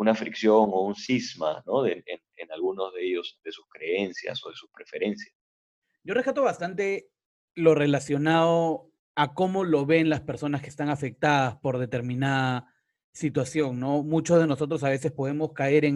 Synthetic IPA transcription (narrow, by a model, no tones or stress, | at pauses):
unafɾiksjoŋounsizma̰noðeenenalɣunozðeʝo̞zðe̞suskɾe̞ensja̰so̞ð̞e̞suspɾe̞fe̞ɾe̞nsjas | ɟ͡ʝo̞rekat̪o̞βast̪ant̪e̞ | lo̞re̞lasjo̞naðo | ako̞mo̞lo̞βe̞nlaspe̞ɾso̞naskest̪aŋafe̞k̚t̪aðaspo̞ɾðe̞t̪e̞ɾmĩnaða | sit̪wasjo̞ŋno̞mut͡ʃo̞zðe̞no̞sot̪̬ɾo̞saβe̞se̞spo̞ðe̞mo̞skae̞ɾeŋ